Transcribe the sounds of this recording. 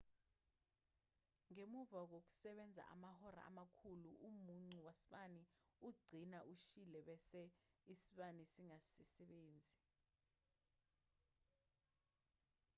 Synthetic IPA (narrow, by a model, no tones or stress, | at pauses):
ŋemuvak̬ok̬u̥sɛɓɛnd͡zʱa̰ʔa̰mahɔɾa̰a̰makʰuluʔumuŋ͡ǀiwasi̥ɓaniuɡ͡ǀʱinaʔuʃilɛɓɛsɛisiɓanisiŋasɛsɛɓeːnd͡zʱi